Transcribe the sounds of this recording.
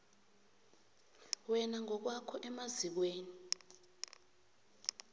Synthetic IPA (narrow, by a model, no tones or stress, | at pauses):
wɛnaŋɔk̬wakʰɔʔɛmazik̬weːni